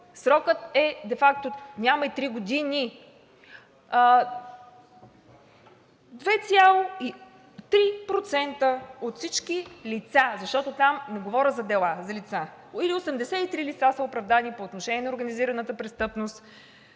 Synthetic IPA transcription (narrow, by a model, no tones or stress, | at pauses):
sɾɔkət̪ɛd̪ɛfak̚t̪onʲaməit̪ɾiɡod̪ini | d̪vɛt̪sʲjalˠoi | t̪ɾipɾot̪sɛnt̪əot̪fsit͡ʃkilit̪sazɐʃt̪ɔt̪ot̪amnɛɡovɔɾʲəzɐd̪ɛlˠazɐlit̪sailiosɛmd̪ɛsɛit̪ɾilit̪sasəopɾɐvd̪anipoːt̪noʃɛnʲiɛnoɾɡəniziɾɐnət̪əpɾɛst̪ɤpnost̪